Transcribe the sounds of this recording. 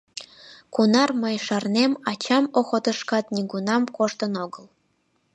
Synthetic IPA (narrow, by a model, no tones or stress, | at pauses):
kunɑrməjʃɑrnemɑt͡ɕɑmoxot̪əʃkɑt̪nʲiɡunɑmkoʃt̪ənoɡəl